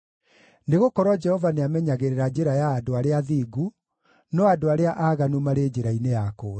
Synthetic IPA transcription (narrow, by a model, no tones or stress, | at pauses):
neɣokɔɾwad͡ʒɛhɔvaneamɛɲaɣeɾeɾad͡ʑeɾajaːdoaɾeaðiːɡu | nɔadoaɾeaʔaːɣanumaɾeːd͡ʑeɾainejakoːɾ